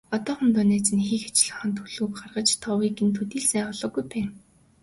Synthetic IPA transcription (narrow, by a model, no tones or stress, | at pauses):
ɔt̪ɔːχɵ̆nt̪ʰʊneːt͡sɘ̆nxiːxḁt͡ɕɮə̆χə̆nt̪ʰuɮuːkχarʁə̆t͡ɕt̪ʰɔwiːɡĕnt̪ʰut̪iːɮsæːɔɮɞ̆ːɡujpæːn